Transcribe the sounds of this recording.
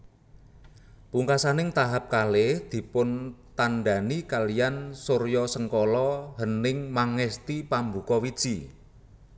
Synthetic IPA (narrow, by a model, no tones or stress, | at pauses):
puŋkasanɪŋt̪aɦap̚kalehd̪̥i̤pʊnt̪anɖa̤nikalijansoɾjɔsəŋkɔlɔɦənɪŋmaŋɛst̪ipambukɔwid̥ʒ̥i